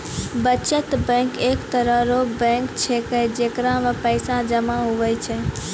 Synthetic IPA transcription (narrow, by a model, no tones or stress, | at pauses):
bət͡ʃət̪bɛ̃ːkeːkt̪əɾəɦɾobɛ̃ːkt͡ʃʰekəd͡ʒeːkɾãmə̃pəɪsãd͡ʒəmaɦʊʋəjt͡ʃʰɛ